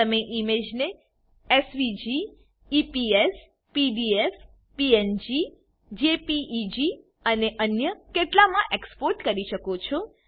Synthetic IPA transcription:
əmeʔimed͡ʒne | esʋid͡ʒiː | pies | pibies | piend͡ʒi | d͡ʒepiʔːd͡ʒi | əneʔənjəkeʈlamãʔekspoɾʈkəɾiʃəkot͡ʃʰo

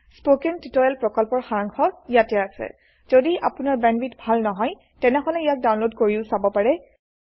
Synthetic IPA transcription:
spokɛntitɔjɛlpɹɔkɔlpɔɹxaɹaŋxʰɔijatɛasɛ̰ | z̥odiʔa̰pʊnaɹbɛnbitbʱalnɔɦɔj | tɛnɛɦɔlɛijak̚dawnlodkoɹiʊsabɔpaɹɛ

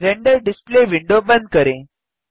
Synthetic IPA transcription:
ɾeɳɖəɾɖispleʋiɳɖobənd̪̚kəɾẽ

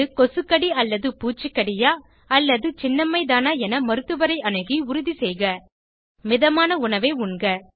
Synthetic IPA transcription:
ɯkɔsɯkːɐɽiɐlːɐðɯpuːt͡ʃːɯkːɐɽɪjaː | ɐlːɐðɯt͡ʃɪnːɐmːɐɪðaːnaːɛnɐmɐɾɯt̪ːɯʋɐɾɐɪʔɐnɯɣiʊɾʊðisɛjɣɐ | mɪðɐmaːnɐʊɳɐʋeɪʊɳɡɐ

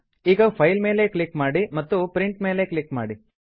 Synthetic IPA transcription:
iːɡɐpʰɐjlme̞ːlekɭikmaːɽimɐt̪ːupɾiɳʈme̞ːle̞klikmaːɽi

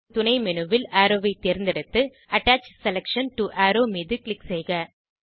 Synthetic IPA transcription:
t̪ʊnɐɪmɛnɯʋɪlaːɾoːʋɐɪt̪eːɾnd̪ɐɽɯt̪ːɯ | ɐʈːaːt͡ʃsɛlɛkʂɐnʈuʔaːɾoːmiːðɯklɪksɛjɣɐ

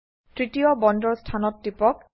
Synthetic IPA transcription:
tɹitiɔbɔndɔɹstʰanɔtːipɔk̚

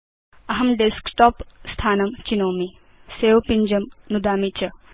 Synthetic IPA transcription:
ɐɦɐmɖeskʈɔpst̪ʰaːnɐmt͡ʃinowmi | sewpiɲd͡ʒɐmnud̪aːmit͡ʃɐ

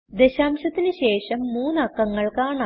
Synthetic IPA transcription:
d̪eɕaːmɕɐt̪ːinɨɕe̞ːʂɐmːuːnɐkːɐŋːɐɭkaːɳa

